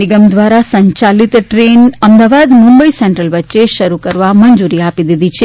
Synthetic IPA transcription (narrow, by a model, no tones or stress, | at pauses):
ɪɡəmd̪ʋaɾasə̃ɲt͡ʃalit̪ʈɾenəmd̪aʋad̪mũmbəisɛɳʈɾəlʋətːʃeʃəɾukəɾʋaməɲd͡ʒuɾiapid̪id̪it͡ʃʰe